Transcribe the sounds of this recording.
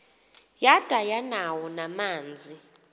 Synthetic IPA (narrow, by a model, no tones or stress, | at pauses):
jad̥ʱajanawɔnamaːnd͡zʱi